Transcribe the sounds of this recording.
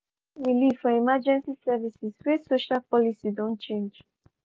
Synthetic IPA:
wilifɔimad͡ʒɛ̃nsisɛvisiswesoʃalpɔlisidõnt͡ʃẽnd͡ʒ

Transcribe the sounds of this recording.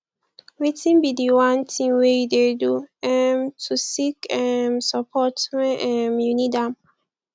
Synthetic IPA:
wetĩnbidiwãntʰĩŋwejudeduɛmtʰusikɛmsapʰɔtmɛ̃nɛmjunidãm

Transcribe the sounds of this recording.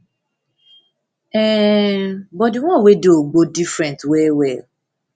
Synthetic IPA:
ɛ | bɔdiŋʷɔ̃wedoɡ͡bodifɾɛ̃ntwewɛl

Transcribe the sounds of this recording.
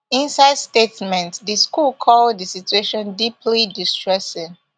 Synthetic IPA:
ĩnsaɪdstetmɛ̃ntdiskulkʰɔlddəsitueʃɔ̃ndipʰlidistɹɛsɪ̃ŋ

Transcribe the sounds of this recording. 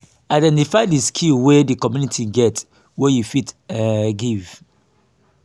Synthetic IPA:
aɪdɛ̃ntifaɪdiskʰilwedikɔmjunitʰiɡɛt | wejufitɡiv̥

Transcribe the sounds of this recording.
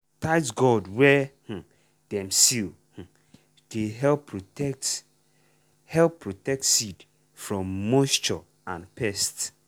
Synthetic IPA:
taɪtɡɔdwɛh̩ | d̥ɛ̃msil | h̩ | d̥eɦɛpk̚t | hɛlppːɹotɛk̚tsid | fɹɔ̃mːɔst͡ʃɔ | ãnpɛst

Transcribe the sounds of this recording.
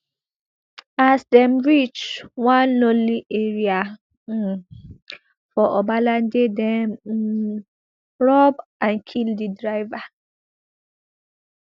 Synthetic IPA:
asdɛ̃mɹit͡ʃwãnlõliʔeɹia | fɔʔɔbalãndedɛm̩ | ɹɔbãnkʰildidɹaɪva

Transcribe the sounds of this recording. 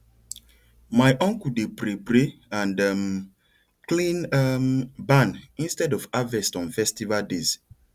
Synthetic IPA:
majʔɔ̃ŋkudepɾepɾeãndam | klĩnmbãnĩnstɛdɔfavɛstɔ̃nfɛstivaldez

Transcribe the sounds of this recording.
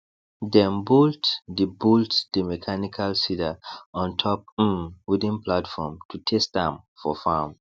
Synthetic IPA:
dɛ̃mbultdəbultdəmɛkʰanikʰalsidaɔ̃ntʰɔp̩̚widĩnplatfɔmtʰutʰɛstãmfɔfam

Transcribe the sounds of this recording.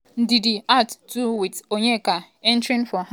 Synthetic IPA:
n̩didiatduwitoɲeka | ɛn̩tɾin̩fɔɦa

